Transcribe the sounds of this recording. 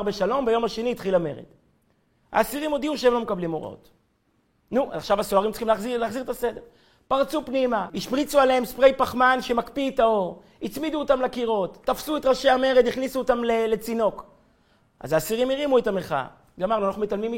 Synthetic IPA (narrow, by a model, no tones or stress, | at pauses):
ʁbeʃalo̞mbajo̞maʃe̞niːt̪χilame̞̰ʁḛd̪ | ha̰ːsiʁimo̞d̪iuʃeemlo̞mekablimo̞̰ʁo̰t | nuʔa̰zaχʃavasoaʁimtt͡si̥χimlzilaːχziʁet̪ase̞de̞ʁ | paʁt͡supnimaiʃpʁit͡sualeemspʁejpaχmanʃemakpietao̞ʁ | it͡smid̪uotamlakiʁo̞tːafsuetʁaʃeame̞ʁed̪iχnisuːt̪amlele̞t͡sino̞k | ʔa̰zaːsiʁimiʁimuetameχa̰ | ɡamaʁnuanaχnumetalmim